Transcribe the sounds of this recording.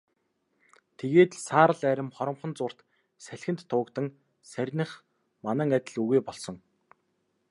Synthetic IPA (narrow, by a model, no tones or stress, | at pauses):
t̪ʰeɣeːt̪saːɾə̆ɮæɾʲɪ̆mχɔɾɞ̆mχɞ̆nt͡sʊːr̥t̪ | sæɮʲxʲɘ̆nt̪ːʰʊːkt̪ə̆ŋ | særʲnə̆χ | manæ̆ːŋat̪ʲɪ̆ɮuɣujpɔɮsɞ̆ŋ